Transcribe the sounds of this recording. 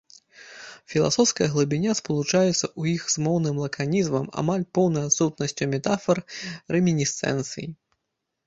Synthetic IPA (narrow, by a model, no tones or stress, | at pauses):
fʲilˠa̰sɔwskɐjɐɣlˠɨbʲinʲaspɐlˠut͡ʂajɛt̪sːɐʔujixzmɔwnɨmlˠɐkanʲizmɐma̰malʲpɔwnɐjat̪sut̪̚nɐsʲt͡sʲumʲɛt̪afɐrːɛmʲinʲist̪sɛ̰nt̪sɨ̰ji